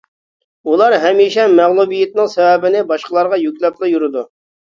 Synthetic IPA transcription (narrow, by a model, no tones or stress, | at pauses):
ulˠɑɾɦɛmiʃɛmæʁlˠubijɪt̪̚nɨŋsɛwɛbɪnɪbɑʃqəlˠɑɾʁɑjykʲlɛp̚lˠɑjuɾɨd̪u